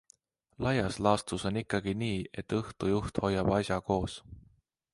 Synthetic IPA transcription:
lɑjɑslɑːst̪uso̞nikˑːɑɡ̥iniːe̞t̪ːɤht̪ujuht̪ho̞jːɑb̥ɑsjɑko̞ːs

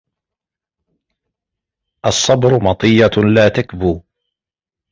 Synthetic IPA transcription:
ʔɑsˤːɑbɾʊmɑt̪ˤɨjːalaːt̪akbuː

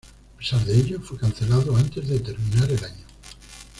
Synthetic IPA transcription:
ape̥saɾðeeʎofojkan̟θelaðoant̪ezðet̪eɾmĩnaɾelaɲo

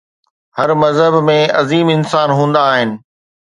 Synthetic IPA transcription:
hɐɾmɐzɦəbmẽɐziːmɪnsaːnɦũːn̆d̪aːɦɪnɪ̆

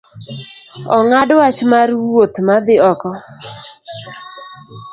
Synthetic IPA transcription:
ɔŋadwat͡ʃmarwwot̪mad̪ɪɔkɔ

